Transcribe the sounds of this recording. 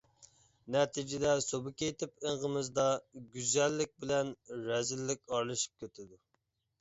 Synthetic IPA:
nɛt̪ʰɪd͡ʒɪd̪ɛsobɨkʲejt̪ʰɪpeɴʁəmɨzd̪ɑɡʲyzɛlːɪk̚ʲbɪlɛnɾɛzɪlːɪkʲɑɾlˠɨʃi̥p̚kʲʰøt̪ʰɪd̪u

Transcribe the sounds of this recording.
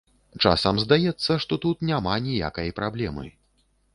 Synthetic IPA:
t͡ʂa̰sɐmzd̪ajɛt̪sːɐʂt̪ɔt̪ut̪nʲamanʲija̰kɐjpɾablʲɛmɨ̰

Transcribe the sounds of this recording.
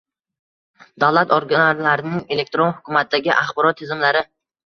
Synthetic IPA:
d̪awlˠat̪oɾɡʲanaɾlaɾɪnɪŋe̞le̞k̚ʲt̪ɾonhʊkʰʲʊmat̪̚d̪aɡʲɪʔaχbɒɾɒt̪ʰːɪzɪmlaɾɪ

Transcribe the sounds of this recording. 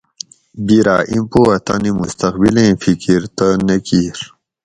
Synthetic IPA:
biɾa̰ːʔimpoɐt̪animust̪ɐqbilẽfikiɾt̪ənekiɾ

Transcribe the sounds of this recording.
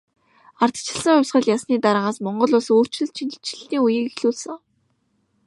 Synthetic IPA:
ar̥t̪t͡ɕʰɪ̥̆ɮsə̆ŋʊwʲsɢə̆ɮjasniːt̪aɾə̆ɴaːsmɔɴɢɞ̆ɮʊːɮsoːr̥t͡ɕɮɘ̆ɮt͡ɕʰini̥t͡ɕɪ̆ɮt̪iːŋujiːkixɮuːɮsə̆ŋ

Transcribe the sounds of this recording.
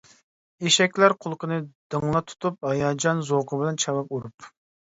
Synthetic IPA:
eʃɛkʲlæɾqʰʊlˠqʰənɨd̪̥ɨŋlˠɑt̪ʰu̥t̪ʰup̚hɑjɑd͡ʒɑnzoqəbɪlɛnt͡ʃʰɑwɑp̚uɾup

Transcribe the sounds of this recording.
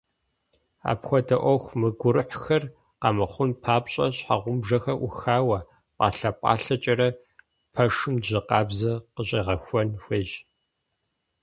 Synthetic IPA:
a̰ːpxʷɔdɐʔʷɔxʷmɨɡʷʊɾɨħxɐr | qɑmɨχʷʊnpʰaːpɕʼɐɕħa̰ʁʷʊmbʐɐxɐʔʊxaːwɐ | pʼɑ̰ːɬɐpʼɑ̰ːɬɐt͡ʃʼɐɾɐ | pʰɐʂɨmʑɪqɑːbzɐqəɕʼeʁɐxʷɔnxʷeːʑ

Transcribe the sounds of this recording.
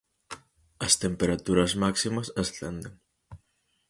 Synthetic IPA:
ɐst̪empeɾat̪uɾɐzmaksimɐsɐsθend̪eŋ

